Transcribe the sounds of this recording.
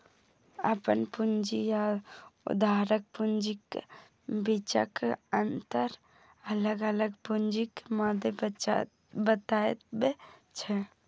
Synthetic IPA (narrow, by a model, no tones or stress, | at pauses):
ə̰pənpund͡ʒijaʊ̰d̪aːɾək̚pʊnd͡ʒik | bit͡ʃa̰kənt̪əɾ | ələɡələɡpʊnd͡ʒikmaːd̪e | bət̪aːet̪bet͡ʃʰɛ